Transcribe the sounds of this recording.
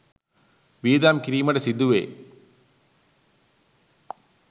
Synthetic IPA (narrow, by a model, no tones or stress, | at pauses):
ʋiːðaːmkɾiːmɐɽɐsid̪uʋḛː